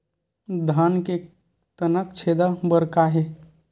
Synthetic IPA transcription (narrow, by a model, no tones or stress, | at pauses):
d̪ʱanke | t̪ənəkt͡ʃʰed̪abəɾkaɦe